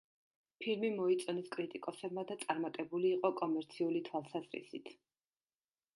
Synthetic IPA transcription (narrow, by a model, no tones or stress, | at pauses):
pʰilmimɔit̪sʼɔnɛskʼɾit̪ʼikʼɔsɛbmad̪at̪sʼaɾmat̪ʼɛbuliːqʼɔkʼɔmɛɾt̪sʰiulit̪ʰwalˠsazɾḭsḭt̪ʰ